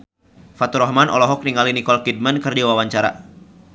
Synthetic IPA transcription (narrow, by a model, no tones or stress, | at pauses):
fat̪uɾɔhmanʔɔ̰lɔɦɔk̚niŋalinikɔlkid̚mankɨrdiwawaɲt͡ʃaɾa̰